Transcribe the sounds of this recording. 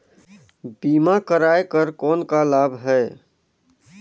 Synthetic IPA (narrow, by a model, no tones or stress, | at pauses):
biːmakəɾaːekəɾkɔːnkalaːbʱɦɛː